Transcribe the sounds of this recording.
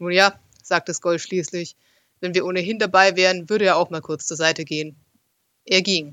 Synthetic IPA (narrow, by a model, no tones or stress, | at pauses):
nuːnjaː | z̥aːk̚təsɡ̥ɔlfʃliːslɪç | vɛnviːɐʔoːnəɦɪndabaɪvɛːʁ̞ənvʏɐɾəjaːaʊxmaːlkʰʊɐt͡st͡suːɐzaɪtəɡeːən | ʔeːɐɡiːŋ